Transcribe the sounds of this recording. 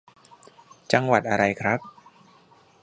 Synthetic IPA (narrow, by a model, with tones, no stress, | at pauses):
t͡ɕa˧ŋwa˨˩t̪̚ʔa˧ɾa˧jkʰɾa˦˥p̚